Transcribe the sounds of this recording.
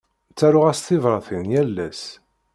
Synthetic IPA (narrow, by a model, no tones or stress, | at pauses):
t͡sːæɾʊʁæst̪ɪvɾˤɑθinjælːæs